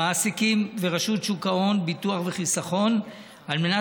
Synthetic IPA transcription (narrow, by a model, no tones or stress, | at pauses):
asikimveʁaʃutʃukao̞nbituaχve̞χisaχo̞n | alme̞na